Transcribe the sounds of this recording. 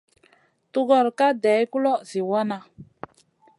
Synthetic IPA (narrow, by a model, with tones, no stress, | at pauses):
tu˦ɡɔ˨ɾka˦dɛ˨˦ku˦lɔ˦zi˨wa˦na˨